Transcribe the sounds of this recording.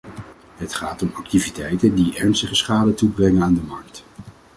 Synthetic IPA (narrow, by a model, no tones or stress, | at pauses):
ɦətχaːtɔmɑk̚tivitɛjtəndiʔɛɹnstəχəsχaːdətubrɛŋənaːndəmɑɹk̚t